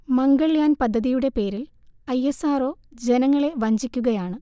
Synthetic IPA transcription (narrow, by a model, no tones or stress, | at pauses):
mɐŋɡɐɭjaːnpɐd̪ʱːɐðijuɽe̞pe̞ːɾil | ɐjːesaːro̞ːd͡ʑe̞nɐŋːɐɭe̞ʋɐɲd͡ʑikʲːuɣɐjaːɳɨ